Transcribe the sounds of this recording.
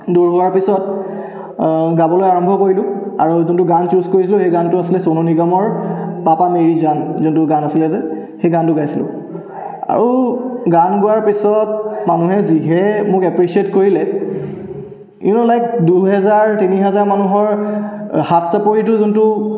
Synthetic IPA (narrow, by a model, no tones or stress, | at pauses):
duɹɦʊwaɹpisɔt | ɡabɔlojaɹɔmbʱɔkoɹilʊ̃ | a̰ɹuzuntuɡant͡ʃuzkoɹisilʊxejɡantʊasilɛsononiɡamɔɹpapameɹizanzuntʊɡanasilɛzɛ | xejɡantʊɡajsilʊ̰̃ | a̰ɹuɡanɡʊwaɹpisɔt̚manuɦɛziɦɛmʊkɛpɹisietkoɹilɛ | inɔlajk̚duɦɛzaɹtiniɦɛzaɹmanuɦɔɹ | hapʰsapoɹit̬ʊzuntʊ